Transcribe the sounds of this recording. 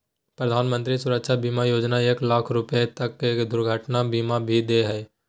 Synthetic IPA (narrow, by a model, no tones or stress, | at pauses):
pɾəd̪ʱaːnmə̃nt̪ɾisʊɾəkʃabiːmajoːd͡ʒnaeːklaːkʰɾʊpəet̪ɐkːeːkd̪ʊɾɡʱəʈnabiːmabʱid̪eːɦɛː